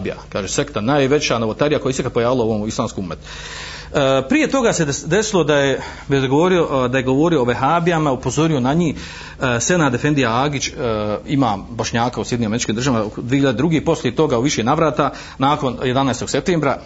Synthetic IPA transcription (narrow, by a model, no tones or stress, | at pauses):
bija̰kaːʒese̞kt̪anaːjʋe̞t͡ɕanoʋot̪aɾijakoesekat̪̚po̞jaːʋilaoʋoːmislˠaːmskiumet̪ | pɾije̞t̪o̞ɡase̞d̪e̞silˠo̞d̪aje | ʋed̪ɡoʋoɾiod̪aje̞ɡo̞ʋo̞ɾiooʋeɦaːbiamaupo̞zo̞ɾio̞naɲi | senaːd̪efe̞nd̪ijaaːɡit͡ɕimaːbo̞ʃɲaːkausjeiɲimeit͡ʃkiːmd̪rʒaʋamad̪ʋiehiʎːad̪ed̪ɾuɡeipo̞slie̞t̪o̞ɡauʋiʃenaʋɾaːt̪a | naːko̞nje̞d̪anaest̪o̞ɡ̥se̞p̚t̪eːmbɾa